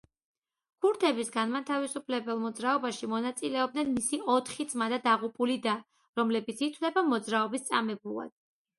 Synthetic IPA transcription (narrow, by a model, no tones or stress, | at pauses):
kʰuɾt̪ʰɛbisɡanmat̪ʰavisupʰlɛbɛlˠmɔd̪zɾaɔbaʃimɔnat̪sʼilɛɔbd̪nɛnmisiɔt̪ʰχid̪z̥mad̪ad̪aʁupʼulid̪a | ɾɔmlɛbit̪sʰit̪ʰwvlɛbamɔd̪zɾaɔbist̪sʼa̰mɛbua̰d̪̥